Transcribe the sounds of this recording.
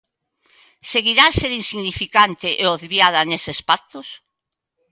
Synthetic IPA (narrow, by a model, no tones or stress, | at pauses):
seɣiɾaseðinsiɣnifikant̪ɪʔeoðβjaðɐnesespak̚t̪os